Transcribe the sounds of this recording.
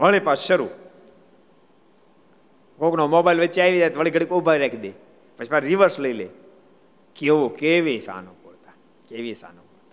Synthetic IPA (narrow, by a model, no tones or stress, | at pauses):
ʋəɭepasʃəɾṵ | koknomobailʋət͡ʃaːiʋid͡ʒ̪at̪ʋəɭiɡʱəɽikobʱaiɾakʰid̪e | pət͡ʃʰipaɾiʋəɾsləilḛ | keʋokeʋisa̰nõkot̪a | keʋisa̰ːnokot̪a